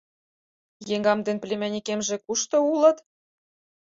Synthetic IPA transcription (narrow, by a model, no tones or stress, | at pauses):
jeŋɡɑmd̪enplʲemʲænʲikemʒĕkuʃt̪ɤ̆ulɤ̆t̪